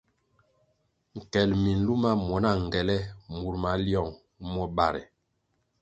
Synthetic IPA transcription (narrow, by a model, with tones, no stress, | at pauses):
ŋ̩˨kɛ˨lmi˨n̩˦lu˦ma˦mɔ˨na˦˨ŋ˨ɡɛ˨lɛ˦mu˨ɾma˨ljɔ˦˨ŋ | mɔ˦ba˨ɾɛ̰˨